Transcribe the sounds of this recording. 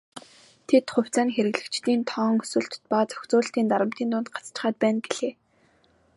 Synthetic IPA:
t̪ʰet̪χʊ̟w̥t͡saːnxeɾɘ̆ɣɮɘ̆kt͡ɕt̪iːnt̪ʰɔːŋɵ̥sɵ̆ɬt̪pat͡sœ̥xʲt͡sʊːɬt̪iːnt̪aɾə̆m̥t̪iːnt̪ʊːnt̪̚ɢḁt͡st͡ɕɪ̥̆χaːt̪̚pæːnɡeɮ̥eː

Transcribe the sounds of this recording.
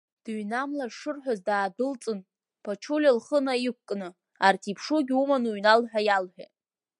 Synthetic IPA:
d̥ɥnamlarʂɨrħʷᶣazdaːdɨlt͡sʼɨn | pʰat͡ʃʰulʲilχənaik̚ʷkʼnɨ | artʰipʰʂuɡʲumanuɥnalħᶣajalħᶣa̰

